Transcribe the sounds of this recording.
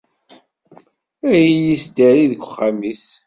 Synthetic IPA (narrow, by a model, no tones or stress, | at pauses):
æjijisd̪æɾiðəkʷːχːamis